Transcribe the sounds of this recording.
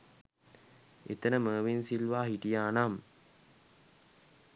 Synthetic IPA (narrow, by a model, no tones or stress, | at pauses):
ḛt̪ənəməːʋinsilʋaːɦiʈijaːnam